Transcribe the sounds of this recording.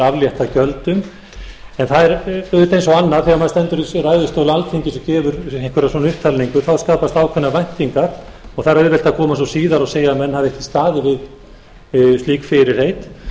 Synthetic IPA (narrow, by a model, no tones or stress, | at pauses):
avljɛht̪acœlt̪ʏm | ɛnθaðɛɾœðʏt̪ejnsɔɣanːaðθɛɣamaðst̪ɛnt̪ʏɾisrajðʏst̪œːwlʏalt̪ʰiŋcɪsɔcɛːvʏɾeŋkʰʏɾasvɔnʏhpt̪ʰalniŋkʏθawskaːpast̪aːwkʰvɛnːavajn̥t̪iŋkaɾ̥ɔɣθaɾœðvɛl̥t̪akʰɔːmasɔsiːðaɾaseːjamɛnːhavðɪɛhcɪ̥st̪aːðɪvɪð | st̪iːkfɪɾɪɾ̥heːjt̪